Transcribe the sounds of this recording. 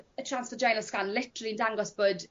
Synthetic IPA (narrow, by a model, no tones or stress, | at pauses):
ətʰr̥ansfəd͡ʒajnəskanlɪtəɾəlˠiəndaŋɡɔsb̥oːd